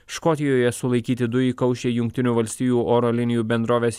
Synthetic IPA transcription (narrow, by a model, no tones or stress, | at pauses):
ʃkɔt̪ʲɪjoːjɛsʊlˠɐɪkʲiːt̪ʲɪd̪ʊjiːkɐʊʃʲeːjʊŋkt̪ʲɪnʲuːʋɐlʲsʲt̪ʲiːjuːʔoːɾoːlʲɪnʲɪjuːbʲɛnd̪ɾoːʋʲeːsʲ